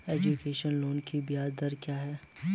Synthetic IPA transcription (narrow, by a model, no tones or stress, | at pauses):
ɛːd͡ʒukeːʃənloːnkibijaːd̪əɾkjaːɦɛː